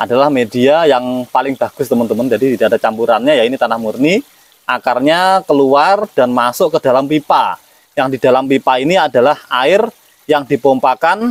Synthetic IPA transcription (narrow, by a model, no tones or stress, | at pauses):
ʔadalahmediajaŋpalɪŋb̥a̤ɡ̥ʊst̪əmənt̪əmənd͡ʒadit̪idaʔadat͡ʃampuɾanɲajainit̪anahmurni | ʔakarɲakəluard̥anmasʊʔkəd̥a̤lampipa | jaŋdid̥a̤lampipainiada̤lahaɪr | jaŋdipompakan